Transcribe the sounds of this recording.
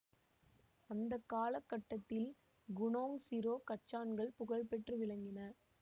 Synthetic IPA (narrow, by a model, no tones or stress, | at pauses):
ɐnd̪ɐkːaːlɐkːɐʈːɐt̪ːɪl | ɡʊɳoːŋsɪɾoːkɐt͡ʃːaːnɡɐɭpʊɣɐɭpɛʈrɯʋɪɭɐŋɡɪnɐ